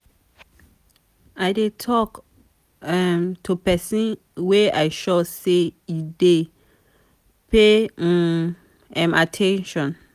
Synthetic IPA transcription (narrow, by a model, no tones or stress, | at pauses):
aɪdetʰɔk | ɛmtʰupɛsĩn | weajʃɔseide | pʰe | ɛ̃matʰɛ̃nʃɔ̃n